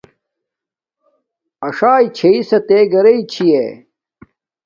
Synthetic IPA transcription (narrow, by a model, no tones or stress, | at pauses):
ɐʂaːit͡ɕʰeisɐt̪eːɡɐɾeit͡ɕʰie